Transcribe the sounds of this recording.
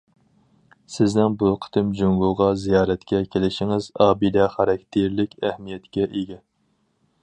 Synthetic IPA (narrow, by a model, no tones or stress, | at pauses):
sɪznɪŋbuqʰə̥t̪ʰɪmd͡ʒoŋɡoʁɑzijɑːɾɛt̪kʲʰɛkʲʰelɪʃiŋɪzɑːbid̪ɛχɑɾɑk̚ʲt̪ʰeɾlɪkʲæhmijɛt̪kʲɛʔeɡʲɛ